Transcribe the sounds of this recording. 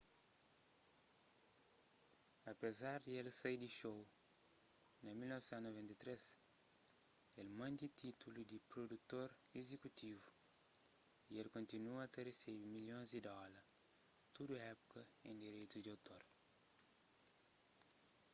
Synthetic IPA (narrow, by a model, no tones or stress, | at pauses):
ɐpezaɾd̪ielsɐjd̪iʃow | nɐmilnɔvesɛ̃nt̪novẽnt̪ɐt̪ɾes | elmɐ̃nd̪it̪ʰit̪ulud̪ipɾod̪ut̪oɾezekut̪ʰivu | ielkõnt̪inuɐt̪eresibimiljõnzd̪id̪ɔlɐɾt̪ud̪uɛpu̥kɐẽnd̪iɾejt̪ud̪iɐwt̪oɾ